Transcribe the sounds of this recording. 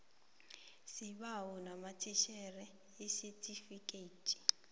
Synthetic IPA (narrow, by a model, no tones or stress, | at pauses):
siɓawɔnamatʰiʃɛrɛ | isɛtʼifikʼetʼi̥